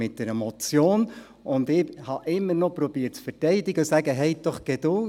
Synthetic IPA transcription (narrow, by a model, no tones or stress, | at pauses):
ɪt̚d̥̪ɛɾɛmɔt͡sjoːn | ʊnd̪ɪhɑʔɪmːəɾnɔpɾɔb̥iːət̚t͡sfɛrtɛɪdɪɡəsæɡəɦɛɪd̪̥ɔχɡ̥ɛd̥̪ʊ